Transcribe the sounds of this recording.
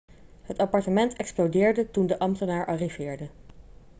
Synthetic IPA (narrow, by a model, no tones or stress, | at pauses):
ɦətɑpɑɹtəmɛntɛksplodɪːɹdətundəʔɑmtənaːɹʔɑriv̥ɪːɹdə